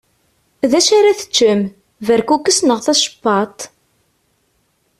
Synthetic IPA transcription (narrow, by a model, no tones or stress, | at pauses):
ðæʃaɾaθə̥t͡ʃːəm | væɾkukːəsnəʁθæʃə̥pːɑt̪ˤ